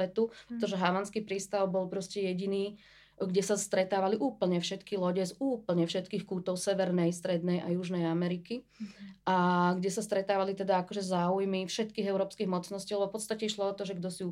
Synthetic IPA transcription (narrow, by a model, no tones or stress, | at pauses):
ɛt̪upɾɛt̪ɔʒɛɦaʋanskipɾiːst̪aʊbɔlpɾɔscɛjɛɟiniː | ɡɟɛsast̪ɾɛt̪aːʋaliʔuːpl̩ɲɛfʃɛt̪kilɔɟɛzuːpl̩ɲɛfʃɛt̪kiːxkuːt̪ɔʊsɛʋɛɾnɛjst̪ɾɛd̪nɛjʔajuʒnɛjamɛɾiki | ʔaɡɟɛsast̪ɾɛt̪aːʋalit̪ɛd̪aakɔʒɛzaːujmifʃɛt̪kiːɣɛʊɾɔːpskiɣmɔt͡snɔsciːlɛbɔfpɔt̪st̪acɛiʃlɔɔt̪ɔʒɛɡd̪ɔsiu